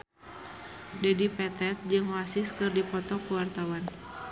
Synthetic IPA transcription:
dɛdipɛt̪ɛt̪̚d͡ʒɨŋwasɪskɨrdipɔt̪ɔkuwart̪awan

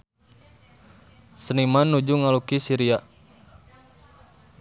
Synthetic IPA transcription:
sənimanːud͡ʒuŋalukisiɾia

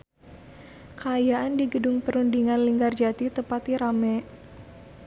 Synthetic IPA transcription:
kaːjaʔandiɡədʊŋpəɾundiŋanliŋɡard͡ʒat̪it̪əpat̪iɾamɛ

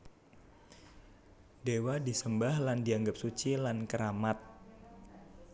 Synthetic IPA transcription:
dewadisəmbahlandiaŋɡəp̚sut͡ʃilankəɾamat̪̚

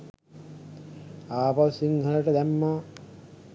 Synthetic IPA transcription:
aːpaʋsiŋɦələʈəd̪æmːaː

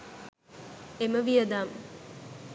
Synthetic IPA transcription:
eməʋijəd̪aːm

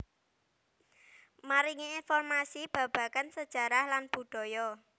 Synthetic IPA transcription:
maɾiŋiinfɔrmasib̥ä̤b̥ä̤kansəd̥ʒ̥a̤ɾahlanb̥ṳɖ̥ɔ̤jɔ

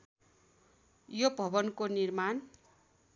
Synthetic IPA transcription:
jobʱʌbʌnkonirman

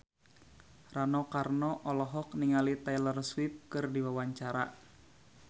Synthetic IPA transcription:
ranɔkarnɔʔɔlɔɦɔk̚niŋalit̪ajlərswip̚kɨrdiwawaɲt͡ʃaɾa̰

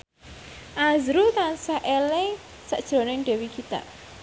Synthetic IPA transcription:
ʔazɾut̪ansaʔele | sə̰ʔd̥ʒ̥ɾo̤nɪŋɖ̥ɛ̤wikʰit̪a̰

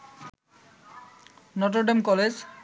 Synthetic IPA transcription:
nɔʈ̬oɾɖemkɔled͡ʑ

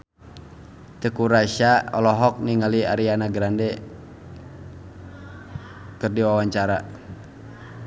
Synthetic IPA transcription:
t̪əkuɾaʃaɔlɔɦɔk̚niŋaliaɾianaɡɾandɛ | kɨrdiwawaɲt͡ʃaɾa

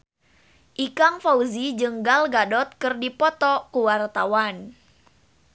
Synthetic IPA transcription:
ʔikaŋfauzid͡ʒɨŋɡalɡadɔt̪̚kɨrdipɔt̪ɔkuwart̪awan

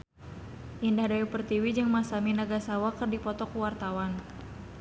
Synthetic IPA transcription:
ʔindahdaupərt̪iwid͡ʒɨŋmasaminaɡasawakərdipɔt̪ɔkuwart̪awan

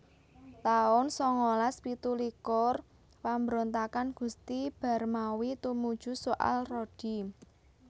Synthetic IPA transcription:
t̪aʊnsɔŋolaspit̪ulikɔr | pambəɾont̪akanɡ̥ṳst̪ib̥a̤rmawit̪umud̥ʒ̥ṳsoʔa̰lrod̥i̤

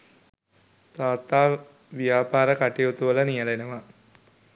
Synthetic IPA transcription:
t̪aːt̪aː | ʋijaːpaːɾəkaʈijot̪uʋələnijəlenəʋa

